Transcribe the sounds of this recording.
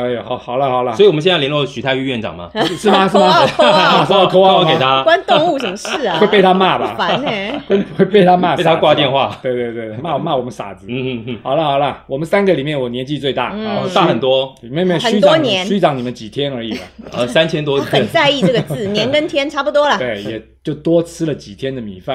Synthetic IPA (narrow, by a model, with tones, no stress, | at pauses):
ə˧˩xɑ˨˩ʊxɑ˨˩ʊlə˦xɑ˨˩ʊlə˦sɔ˧˥i˨wɔ˨ə˦ɕjɛ˥˧˥ljɛ˧nlwɔ˥˧˩ɕy˨˥t̪ʰa˥˧ɪy˥˧ɥɛ˥˩nʈ͡ʂɑ̰˨˩ŋmɐ̰˩ʂɻ̩˥˩mɐ˨ʂɻ̩˥˩ma˨˥a˥˩ʂ̩˥t̪ʰwɔ˥ke˨˩t̪ʰa˦kwa˥nt̪ʊ˥˧˥ŋu˥˩ʂə˨˩mə˦ʂɻ̩˥˩we˥˧ɪpe˥˩ɪt̪ʰa˥ma˥˩ba̰˨˩fa˧n˥˩xwe˥˩ɪxwe˥˧pe˥˩ɪt̪ʰa˥ma˥˩e˥˩˨t̪ʰa˩kwa˥˧t̪jɛ˥˧nxwa˥˩t̪we˥˧ɪt̪we˥˧ɪt̪we˥˧ɪe˥˧˩ma˥˩wma˥˩wɔ˨˩mə˦sa̰˨˩d͡zɹ̩˦˥˧xɑ˨˩ʊlə˦xɑ˨˩ʊlə˦˩wɔ˨˩mə˦nsa˥nɡə˨li˨˩mjɛ˥˩nwɔ˨˩njɛ˧˥nt͡ɕi˥˧t͡swe˥˧ɪt̪a̰˥˩t̪a˥˩xə˨nt̪wɔ˥i˨me˥˧me˥˩ɕy˥t͡s̪ɑ˨˥njɛ˧˥nɕy˥ʈ͡ʂɑ˨˦ŋni˨mə˦nt͡ɕi˨˩t̪ʰjɛ˥nə˞˧˥i˨˩bɐ˦ə˧sa˥˦nt͡ɕʰjɛ˥nt̪wɔ˥˨xə˨˩nt͡sa˥˧ɪi˥˧ə˥˩ɡə˩t͡sɹ̩˥˩njɛ˧˥nkə˥nt̪ʰjɛ˥nʈ͡ʂʰa˥pu˧˩t̪wɔ˥lɐ˨˩t̪we˥˩ɪjɛ˨˩ | t͡ɕjo˥˩ʊt̪wɔ˥t͡sʰɹ̩˥lə˨t͡ɕi˨˩t̪ʰjɛ˥nd̪ə˨mḭ˨˩fa˥˨